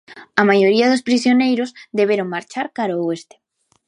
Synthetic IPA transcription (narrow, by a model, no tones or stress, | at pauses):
ɐmajoɾiɐðospɾisjonejɾozd̪eβeɾoŋmaɾt͡ʃaɾkaɾaest̪e̥